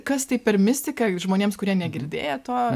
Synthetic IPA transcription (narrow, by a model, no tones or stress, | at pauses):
kɐst̪ɐɪpʲɛrmʲɪsʲt̪ʲɪkɐʒmoːnʲeːmskʊɾʲiɛnʲɛɡʲɪɾʲd̪ʲḛːjɛt̪oː